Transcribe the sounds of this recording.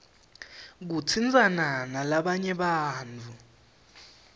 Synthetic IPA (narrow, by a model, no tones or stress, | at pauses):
k̬ut͡sʰind͡zʱʼananalaɓaɲɛɓaːnt͡fʰu